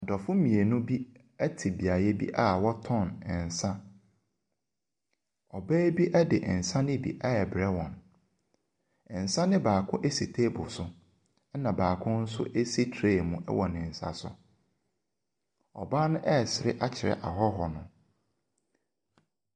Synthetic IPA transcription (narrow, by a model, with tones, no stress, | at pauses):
a˨dɔ˨fʊ̃˦mĩ˨e˨nʊ̃˦bi˦ | æ˦tʰi˨bi˨a˨jɛ˦bḭ˦ʔa˦wɔ˦tʰɔ̃˦˨nɛ˨n̩˨sã˦ | ɔ˨bæː˦bi˦ʔæ˦dɪ˨ʔn̩˨sã˦nɪ̃˦bḭ˨ʔa˦ɛ˨bɾɛ˦wɔ̃˨n˨ | n̩˨sã˦nɪ̃˦baː˨kʰʊ̃˦ʔe˦si˨tʰe˦bʊ˨sʊ˦ | nã˨baː˨kʰʊ̃˦n̩˦sʊ̰˦ʔe˦si˦tʰɾeː˦˨mũ˨ʔɛ̰˦wɔ˨nɪ̃˨n̩˨sa̰˨sʊ̰˨ | ɔ̰˨baː˦nʊ̃˦ʔɛ˦˨sɪ˨ɾɪ̰˦ʔa˦t͡ɕʰɪ˨ɾɛ̰˨ʔa̰˨ɦɔ˦ɦɔ˨nʊ̃˨